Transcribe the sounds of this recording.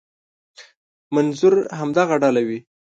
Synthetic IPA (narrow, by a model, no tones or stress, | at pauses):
manzʊɾɦamd̪aɣaɖɑlawi